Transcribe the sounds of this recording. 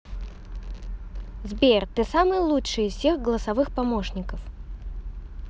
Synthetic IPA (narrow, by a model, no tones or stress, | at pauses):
zbʲert̪ɨsamɨjəlˠuʂɨjɪssʲe̞xɡəlˠəsɐvɨxpɐmoʂnʲɪkəf